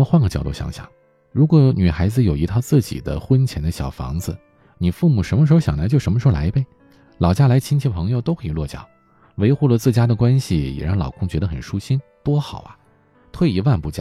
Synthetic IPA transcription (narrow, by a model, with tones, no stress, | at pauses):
xwa˥˩ŋɡə˩t͡ɕjɑ˨˩ʊt̪u˥˩ɕɑ̰˧˥ŋɕjɑ̰˨˩˦ŋ | ɻu˧˥kwɔ˧˥ny˨˩xa˧˥ɪd͡zɹ̩˧jo˨˩ʊi˧˥t̪ʰɑ˥˧ʊt͡sɹ̩˥˩t͡ɕḭ˨˩d̪ə̰˦xwə˥nt͡ɕʰjɛ˧˥nd̪ə˧ɕjɑ˨˩ʊfɑ̰˧˥ŋd͡zɹ̩˧ | ni˨˩fu˥˩mu˨˩ʂə˧˥nmə˧ʂɻ̩˧˥xo˧˥ɕjɑ̰˨˩la˧˥ɪt͡ɕo˥˩ʊʂə˧˥mə˧˥˧la˧˥ɪpe˥˩ɪ | lɑ˨˩ʊt͡ɕja˥la˧˥ɪt͡ɕʰi˥nt͡ɕʰɛ˥˩pʰɤ˧˥ŋjo˧ʊt̪o˥ʊkʰɤ˧˥i˨˩lwɔ˥˩t͡ɕjɑ̰˨˩˦ʊ | we˧˥ɪxu˥˩lə˩t͡sɹ̩˥˩t͡ɕja˥d̪ə˨kwa˥nɕi˨jɛ̰˨˩ɻɑ˥˩ŋlɑ̰˨˩ʊkʰʊ˥ŋt͡ɕɥɛ˧˥d̪ə˧xə˨˩nʂu˥ɕi˥nt̪wɔ˥xɑ˨˩ʊɐ̰˦ | t̪ʰwe˥˩ɪi˧˥wa˥˧npu˥˩t͡ɕjɑ̰˥˩